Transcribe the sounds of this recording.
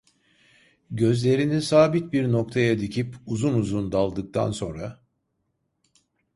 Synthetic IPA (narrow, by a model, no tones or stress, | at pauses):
ɟø̞zlʲe̞ɾinisaːbit̪̚biɾnok̚t̪ʰajad̪icʰipuzunuzund̪alˠd̪ɯk̚t̪ʰa̰nso̞nɾa